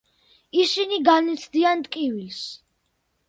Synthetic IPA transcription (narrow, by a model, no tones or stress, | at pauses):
iʃiniɡanit̪sʰd̪iant̪ʼkʼivils